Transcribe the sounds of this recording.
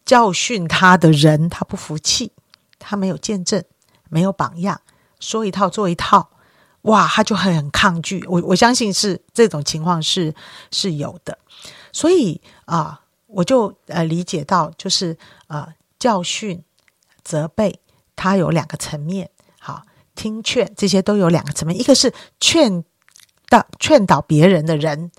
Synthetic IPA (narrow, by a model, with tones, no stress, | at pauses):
t͡ɕjɑ˥˧ʊɕy˥˩nt̪ʰa˥d̪ə˨ɻə˧˦˥nt̪ʰa˥pu˥˩fu˧˥t͡ɕʰi˥˩ | t̪ʰa˥me˧˥ɪjo˨˩ʊt͡ɕjɛ˥˧nʈ͡ʂə˥˩n | me˧˥ɪjo˨˧˥ʊpɑ̰˨˩ŋjɑ˥˩ŋ | ʂwɔ˥i˧˥t̪ʰɑ˥˧ʊt͡swɔ˥˩i˧˥t̪ʰɑ˥˨˩ʊ | wʔa˥˩t̪ʰa˥t͡ɕjo˥˩ʊxə˨˦nə˨˩nkʰɑ˥˧ŋt͡ɕy̰˥˩wɔ˨˩wɔ˨˩ɕjɑ˥ŋɕi˥˧nʂɻ̩˥˧ʈ͡ʂɤ˥˩ʈ͡ʂʊ˨˩ŋt͡ɕʰi˧˥ŋkʰwɑ˥˧ŋʂɻ̩˥˩ʂɻ̩˥˩jo˨˩ʊd̪̥ə˦ | swɔ˧˥i˨˩˦ | ə˧˩ | wɔ˨˩t͡ɕjo˥˩ʊə˧˩li˧˥t͡ɕjɛ˨˩t̪ɑ˥˧ʊt͡ɕjo˥˧ʊʂɻ̩˥˩ | ə˨˩ | t͡ɕjɑ˥˧ʊɕy˥˩n | t͡sɤ˧˥pe˥˩ɪ | t̪ʰa˥jo˨˧˥ʊljɑ˨˩ŋɡə˦t͡sʰə˧˥nmjɛ˥˩n | ɑ̰˨˩ | t̪ʰi˥ŋt͡ɕʰɥɛ˥˨nʈ͡ʂɤ˥˩ɕ̬jɛ˥t̪o˥ʊjo˧˥ʊljɑ˨˩ɡə˦t͡sʰmjɛ˥˩i˧˥ɡə˧ʂɻ̩˥˩t͡ɕʰɥɛ˥˧n | t̪ɑ˥˩t͡ɕʰɥɛ˥˩nt̪ɑ˨˩ʊpjɛ˧˥ɻə˧˥nd̪ə˧ɻə˧˥n